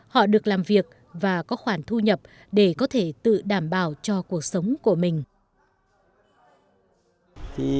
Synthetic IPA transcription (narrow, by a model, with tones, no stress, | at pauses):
hɔ̰˧˨ɗɨ˨˩ək̚laː˨˩mvi˨˩ək̚ | vaː˨˩kɔ˨˦xwaː˧˩nt̪ʰu˧ɲə˨˩p̚ | ɗe˧˩kɔ˨˦t̪ʰe˧˩t̪ɨ̰˧˨ɗaː˧˩mɓaː˧˩wt͡ɕɔ˧ku˨˩ək̚sə˨˦wŋ͡mku˧˩əmï˨˩ŋ̟ | t̪ʰi˨˩